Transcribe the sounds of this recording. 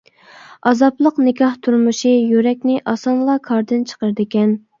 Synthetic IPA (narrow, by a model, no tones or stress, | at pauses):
ɑzɑplˠəqnɪkʲʰɑht̪ʰuɾmuʃijyɾɛk̚ʲnɪʔɑsɑnlˠɑkʰɑɾd̪ɨnt͡ʃʰə̥qəɾd̪ɪkʲɛn